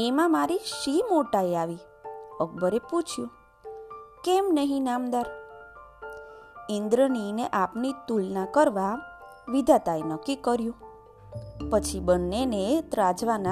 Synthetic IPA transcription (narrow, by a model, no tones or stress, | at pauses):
emãmaɾiʃimoʈaeaʋi | əɡ̚bəɾeput͡ʃʰjũ | kemnəɦĩnamd̪aɾ | ind̪ɾənineʔapnit̪ulnãkəɾʋa | ʋid̪ʱat̪aenəkːikəɾjũ | pət͡ʃʰibənːenet̪ɾad͡ʒʋana